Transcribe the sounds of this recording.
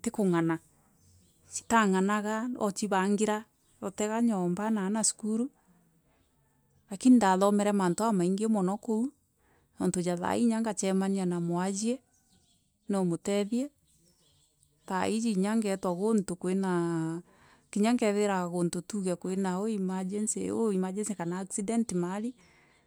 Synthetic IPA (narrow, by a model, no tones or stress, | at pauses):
tekoŋana | t͡ʃi̥taŋanaɣaɔt͡ʃiβaŋɡeɾa | ɾotɛɣaɲɔmbanaːnasu̥kuɾu | ɾakinindaðɔmɛɾɛmantoamaiŋɡemɔnɔkou | nontojaða̰iɲaŋɡat͡ʃɛmaɲianamwad͡ʒiɛ | nomotɛðiɛ | taid͡ʒiɲaŋɡɛtwaɣontokwena | kiɲaŋɡɛðeɾaɣontotuɣɛkoenaoimad͡ʒɛnsḛo̰imad͡ʒɛnsekanaːksidɛntimaɾi